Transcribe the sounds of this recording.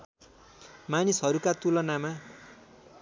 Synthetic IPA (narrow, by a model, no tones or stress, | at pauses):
manisɦʌɾukat̪ulʌnama